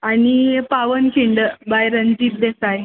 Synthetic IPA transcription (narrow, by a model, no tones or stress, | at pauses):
anipaʋənkʰiɳɖəbajɾənd͡ʑiːp̚d̪esaj